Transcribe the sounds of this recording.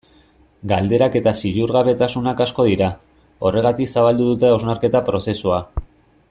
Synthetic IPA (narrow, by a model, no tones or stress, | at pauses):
ɡald̪e̞ɾake̞t̪asiʎuɾɣaβe̞t̪asunakasko̞ð̞iɾa | o̞re̞ɣ̞at̪iksaβ̞ald̪uðut̪e̞awznaɾke̞t̪apɾo̞se̞sua